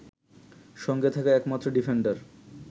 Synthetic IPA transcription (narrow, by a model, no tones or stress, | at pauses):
ʃɔŋɡet̪ʰakaɛkmat̪ːɾoɖifeɳɖaɾ